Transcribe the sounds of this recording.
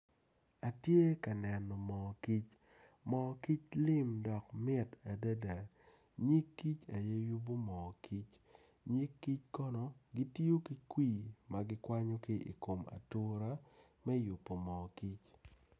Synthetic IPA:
a˨tje˦ka˨nɛ˨nɔ˨mɔ˨ki˦t͡ʃ | mɔ˨ki˦t͡ʃlɪ˦mdɔ˨kmɪ˦ta˨da˦da˨ | ɲi˦kːi˦t͡ʃa˨je˦ju˦bo˦mɔ˨kʰi˦t͡ʃ | ɲi˦kːi˦t͡ʃkɔ˦nɔ˦ɡi˦ti˦o˦ki˦kwi˦˨ma˨ɡɪ˦kwa˦ɲo˦ki˦ʔḭ˨ko˨ma̰˨to˦ɾa˦ | mɛ˦jʊ˨pːo˨mɔ˨ki˦t͡ʃ

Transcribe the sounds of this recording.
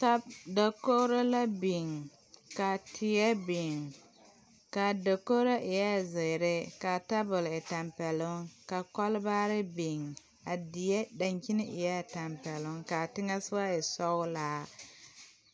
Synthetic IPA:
ta˦bda˨ko˦ɾo˦la˦bi˨ŋ | ka˨tʰɪ˨jɛ˦bi˨ŋ | ka˨do˨ko˦ɾa˦ʔɪ˨ja˦˨zɪ˨ɾɪ˦ka˨ta˦bʊ˨lɪ˨ta˨mpɛ˨lʊ˦ŋka˨kɔ˦lbaː˦ɾɪ˦bi˨ŋ | a˨dɪ˨jɛ˦da˨ɲki˦nɪ˦ʔɪ˨jɛ˦˨ta˨mpɛ˨lʊ˦ŋka˨tɪ˦ŋa˦sɨ˦wa˦ɪ˨sɔ˦ʊ˦laː˨˦

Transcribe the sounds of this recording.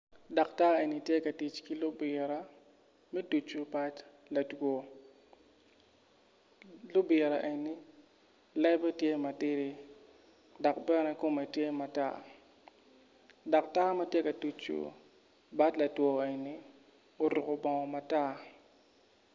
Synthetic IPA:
dɔ˨kta˦e˨ni˨tje˦kɐ˨ti˨t͡ʃki˦lʊ˦bɪ˨ɾa˨ | mɛ˦tu˨t͡ʃu˨ba˦t | la˨two˨ | lʊ˦bɪ˨ɾa˨ʔe˨nːi˦ | lɛ˦bɛ˦tje˦ma˨tɪ˦ɾi˦ | dɔ˨kbɛ˦nɛ˦ko˦mɛ˨tje˦ma˨ta̰˦ | dɔ˨k̚ta˦ma˦tje˦kɐ˨du˨t͡ʃṵ˨ | ba˦tlɐ˨twɔ˨e˨ni˦ | o˨ɾʊ˨kʊ˨bɔ˨ŋɔ˨ma˨ta˦

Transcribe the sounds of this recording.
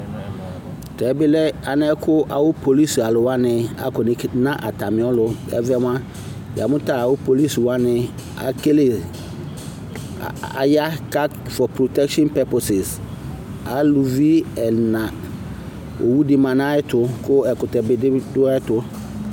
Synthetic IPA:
tʰɛ˨bɪ˦lɛ˦a˨nɪ̃˦ɛ˦kʰʊ˦ʔa˨wʊ˦pʰo˨li˦sa˨lʊ˨wa˦nɪ̃˨a̰˨kɔ˨nɪ˨˦nã˦ʔa˨ta˨mɪ̃˨ɔ˦lʊ˦ɛ̰˦vɛ˦m˦ã˦ | j̰a˨mʊ̃˦ta˨a˨wʊ˦po˨li˦swa˦nɪ̃˨ | a̰˨ke˦le˨ | a̰˨ja˦ka˦fɔ˨pɾo˨tɛ˦kʃɔ̃˦npɛ˨˦po˨sɪ˨s | a˨lu˨vi˦ɛ˨nã˨ | o̰˨wu˦dɪ˦mã˨nã˦ɛ˦tʰʊ˨kʰʊ˦ɛ˨kʊ˨tɛ˨bɪ˨dɪ˦dʊ˦tʊ˨

